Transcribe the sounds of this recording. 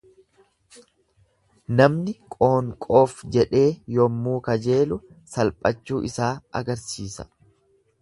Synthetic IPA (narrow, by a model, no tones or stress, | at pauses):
nɐmnɪkʼo̞ːŋkʼo̞ːfd͡ʒɛᶑe̞ːjɔmːuːkɐd͡ʒe̞ːlʊ | sɐlpʼɐt͡ʃːuːʔɪsaːʔɐ̰ɡɐɾsiːsɐ̥